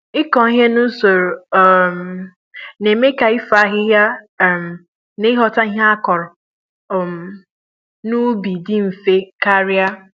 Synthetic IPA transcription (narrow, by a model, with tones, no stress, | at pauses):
ɪ˦kɔ̃˨i˦ɦe˦nu˦so˨ɾo˨˦˨m˨ | ne˨me˦ka˨ɪ˦fa˨˦ɦɪ˦ɦja˦˨ | m̩˨ | ne˦ɦɔ˨ta˦i˦ɦa˦a˦kɔ˨ɾɔ˨ | m˨ | nu˦bi˨dɪ˦m̩˨fe˦ka˦ɾɪ˦a˦